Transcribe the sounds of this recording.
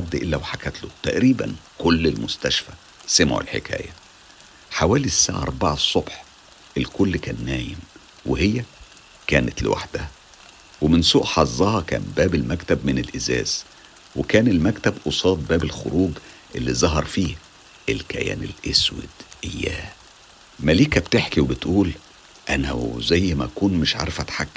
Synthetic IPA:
ʕad̪ːʔelːæwħakæt̪lot̪æʔɾiːbæ̰n | kolːelmʊst̪æʃfæ | semʕo̰lħḛkæ̰ːjæ | ħawæːlisːa̰ʕaʔɑ̰ɾˤbɑʕɑsˤːobħ | ʔelkolːkæːnːæːjem | wehejːæ | kæːnæt̪lɪ̰wʔa̰ħd̪̥æh | wemɪnsuːʔħɑzˤːɑhɑkæ̰ːmbæːbelmækt̪æbmɪnelʔezæ̰ːz | wekæːnelmækt̪æbʔosˤɑːt̪̚bæːbelxo̰ɾuːɡʔelːizˤɑɦɑɾˤfiːh | ʔelkæ̰jæ̰ːnḛlʔeswḛd̪̥ʔejːæ̰ː | mæliːkæbt̪eħkiwebet̪ʔuːl | ʔænæ̰zæjːmæ̰ʔkuːnmɪʃʕɑ̰ɾˤfæt̪ħakː

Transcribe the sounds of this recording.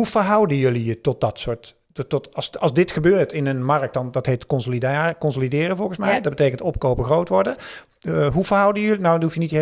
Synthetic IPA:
ɦufəɹɦʌwdəjɵlijətɔt̚dɑtsʊːɹt | tɔtsɑlˠzdɪtχəbøːɹtɪnənmɑrək̚t̚dɑndɑtɦejtkɔnsolidakɔnsolidɪːrəvɔlˠɣənsmɛjdɑd̚bətejkəntɔp̚kowpəχrowtʋɔɹdə | ɦuvəɹɦʌwdəjɵlinawtufjənite

